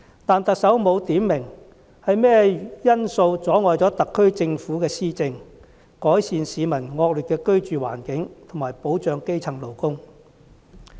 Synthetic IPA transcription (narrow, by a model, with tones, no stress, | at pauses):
t̪aː˨nt̪ɐ˨k̚sɐ˨˥wmo˨˧wt̪iː˨˥mːɪ˨˩ŋ | hɐ˨jmɛː˥jɐ˥nso˧wt͡sɔː˨˥ŋɔː˨jt͡sɔː˨˥t̪ɐ˨kʰːɵ˥ɥt͡sɪ˧ŋfuː˨˥kɛː˧siː˥t͡sɪ˧ŋ | kɔː˨˥jsiː˨nsiː˨˧mɐ˨˩nŋɔː˧k̚lyː˨t̚kːɛː˧kɵ˥ɥt͡ʃyː˨wa̰ː˨˩nkɪ˨˥ŋt̪ʰʊ˨˩ŋmaː˨˩jpo˨˥wt͡ʃœː˨˧ŋke˥jt͡sʰɐ˨˩ŋlo˨˩wkʊ˥ŋ